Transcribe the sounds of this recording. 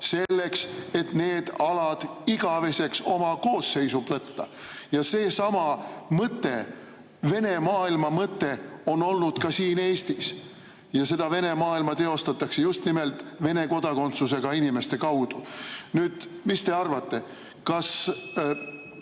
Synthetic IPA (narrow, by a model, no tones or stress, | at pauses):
se̞lːe̞kse̞t̪ne̞ːd̪̥ɑlɑd̪̥iɡ̥ɑve̞se̞kso̞mɑko̞ːsːe̞jsub̥vɤt̪ːɑ | jɑse̞ːsɑmɑmɤt̪ːˑe̞ | ve̞ne̞mɑːilmɑmɤt̪ːe̞o̞no̞lnud̪̥kɑsiːne̞ːst̪is | jɑse̞d̪̥ɑve̞ne̞mɑːilmɑt̪e̞o̞st̪ɑt̪ːˑɑkse̞just̪nime̞lt̪ˑve̞ne̞ko̞d̪̥ɑko̞nt̪suse̞ɡ̥ɑinime̞st̪e̞kɑwd̪̥unyːd̪̥mist̪e̞ɑrvɑt̪ːe̞ | kɑs